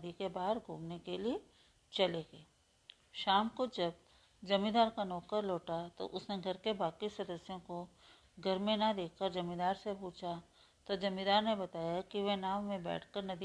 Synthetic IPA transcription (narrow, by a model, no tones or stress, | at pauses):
d̪ikebaːɦəɾɡʱṵːmnekelie | t͡ʃɐleːɡeː | ʃaːmkod͡ʒɐb | d͡ʒɐmĩd̪aːɾkanɔːkəɾlɔːʈat̪o̰ʔʊsneɡʱɐɾkebaːkisɐd̪əsjõko | ɡʱɐɾmẽnɐd̪eːkʰkəɾd͡ʒɐmĩd̪aːɾsepuːt͡ʃʰa | t̪od͡ʒɐmĩd̪aːɾnebɐt̪aːjakiʋenaːmːẽbɛ̰ːʈʰkəɾnɐd̪i